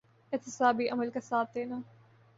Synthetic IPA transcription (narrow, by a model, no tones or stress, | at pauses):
ɪɦt̪ɪsaːbiʔɐməlkasaːt̪̚d̪eːnaː